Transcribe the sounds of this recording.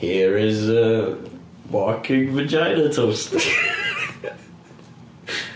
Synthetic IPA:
hiəɹɪzə | wɑkʰɪŋvəd͡ʒaɪnətʰost

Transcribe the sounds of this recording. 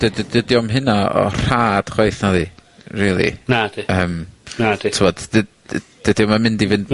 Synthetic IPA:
d̥əddədiɔmɦɪnaɔ̰r̥aːd̥χwaɨθnaðiriːlˠḭnadiəːmnaditʰɪmɔd̥ | d̥ədiɔmamɪndivɨnd

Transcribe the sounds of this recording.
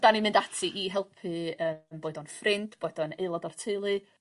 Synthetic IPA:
d̥animɪ̃ndatʰɨʔiɦɛlˠpʰɨəːmboːɨdɔnfrɪnd̥b̥oːɨdɔneɨlˠɔdɔrtʰelˠɨ

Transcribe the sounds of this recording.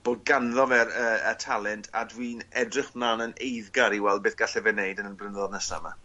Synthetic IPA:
b̥oːd̚ɡanðɔvɛɾəətʰalˠɛntʰa̰dwiːnɛdrɪχblˠanənejðɡaɾiwɛlˠbeːθɡ̥aɬɛvɛnejdənənbrɪnðɔdnəsa̰ma̰

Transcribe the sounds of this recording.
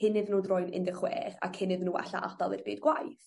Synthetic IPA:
hɪnɨðnuːdrɔjnɪ̰ndɪχwɛ̰ːχa̰kʰɪnɨðnuːa̰ɬaʔa̰d̥alˠɨrbiːdɡwajθ

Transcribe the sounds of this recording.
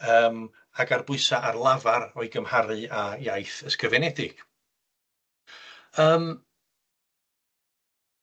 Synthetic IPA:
əːm | aɡarbʊɨsaʔarlˠavarɔɨɡəmhaɾɨajajθəskəvɛnɛdɪɡ̥ | əːm

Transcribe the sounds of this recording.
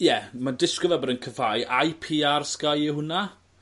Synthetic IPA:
jɛmadɪskɔvabɛɾənkʰəfajajpʰiːarskajiɦʊna

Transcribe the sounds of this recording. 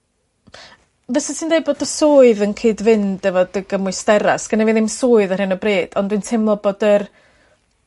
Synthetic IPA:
vɛsatʰindejboːdəsoːɨðənkʰiːdvɪndɛvɔd̥əɡəmʊɨstɛɾa̰sɡ̥ənɛviðɪmsʊːɨðər̥hɪnəbreːd̥ɔndwintʰɪmlˠɔboːdər

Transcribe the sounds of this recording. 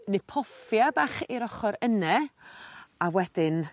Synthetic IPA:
nɪpʰɔfjabaːχiɾɔχɔɾənɛ | awɛd̥ɪn

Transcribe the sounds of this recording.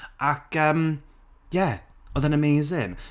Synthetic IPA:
ʔakəm | jɛɔðənəmejzɪn

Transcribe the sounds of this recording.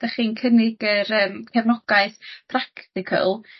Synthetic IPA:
d̥aχiːnkʰənɪɡəɾəːmkʰɛvnɔɡ̥aɨθpʰraktɪkʰə̰lˠ

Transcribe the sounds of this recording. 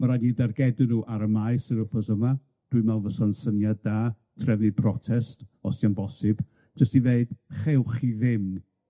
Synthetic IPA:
məɾajnidarɡɛdɨnuːʔaɾəmaɨsəɾʊfɔsəma | d̥wɨmɛlvəsansənjadaː | tʰrɛvnipʰrɔtʰɛstɔsjanbɔsɨb̥ | d͡ʒəstiveɨd̥χewχiðɪm

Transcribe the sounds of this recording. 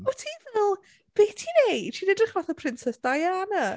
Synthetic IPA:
ɔtʰivɛlˠ | b̥eːtʰinejtʰiːnɛdrɪχvaθəpʰrɪnsɛsd̥ajanə

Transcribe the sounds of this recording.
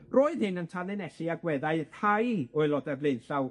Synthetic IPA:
roːɨð̥hɪnəntʰalˠɨnɛɬiaɡwɛðaɨhajoɨlˠɔdɛrvlɪnɬaw

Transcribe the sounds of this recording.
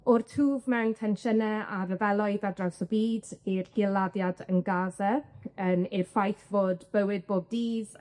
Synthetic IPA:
ʊrtʰuːvmɛwntʰɛnʃənɛaɾəvɛlˠɔɨðadrawsɔbiːdirhilˠaðjadənɡaːðəənɪrfajθvoːdb̥əwɪd̚boːd̚diːð

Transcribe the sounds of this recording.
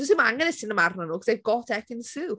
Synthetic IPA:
ɔsɪmaŋɛnɛsɪnəmarnanuːkʰəz̥eɡ̥ɔtʰɛkɪnsɨː

